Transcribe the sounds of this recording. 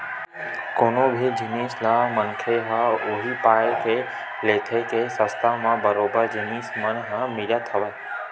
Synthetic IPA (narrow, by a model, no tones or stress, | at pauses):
koːnobʱɪd͡ʒɪneːslaːmənkʰeɦaʊɦipaːjkʰeː | leːkʰekʰesə̃st̪amãbɐɾoːbəɾd͡ʑɪniːsmənɦãmɪljat̪ʰɐʋəe